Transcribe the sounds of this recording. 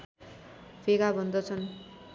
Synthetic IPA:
pʰeɡabʱʌnd̪ʌt͡sʰʌn

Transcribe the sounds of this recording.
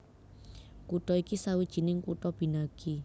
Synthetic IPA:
kut̪ɔikisawid̥ʒ̥i̤nɪŋkut̪ɔb̥i̤naɡ̥ʰi

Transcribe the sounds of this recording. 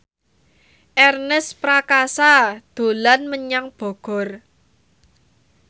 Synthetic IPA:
ʔɛrnəspɾakasad̪̥o̤lanməɲaŋb̥ɔ̤ɡ̥ɔ̤r

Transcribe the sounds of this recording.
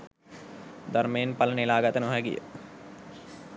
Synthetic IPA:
d̪ɐɾmeːnpɐlənilaːɡət̪ənoɦɛɡḭjə̰

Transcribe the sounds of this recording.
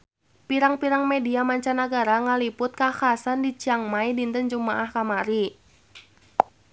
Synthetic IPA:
piɾaŋpiɾaŋmediamaɲt͡ʃanaɡaɾaŋalipʊt̪̚kaxasandit͡ʃiaŋmaidint̪ənd͡ʒumaʔahkamaɾi

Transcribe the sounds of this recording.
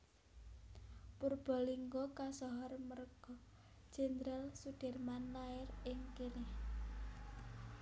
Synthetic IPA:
purb̥ɔ̤liŋɡɔkasɔɦɔrmərɡ̥ɔ̥ | ʒ̥ɛnd̪ɾalsud̥ɛ̤rmanlaɪrɪŋkinɪh

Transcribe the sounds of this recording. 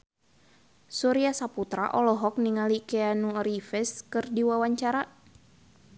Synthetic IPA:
sɔɾiasaput̪ɾa̰ʔɔlɔɦɔk̚niŋalikɛanuɾifɛskɨrdiwawaɲt͡ʃaɾa

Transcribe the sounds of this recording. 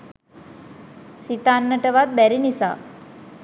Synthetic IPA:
sit̪anːəʈəʋat̪̚bæɾinisa̰ː

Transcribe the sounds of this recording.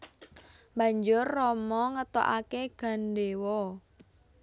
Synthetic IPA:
ba̤ɲd͡ʒʊrːɔmɔŋət̪ɔ̰ʔakeɡ̥a̤nɖewɔ

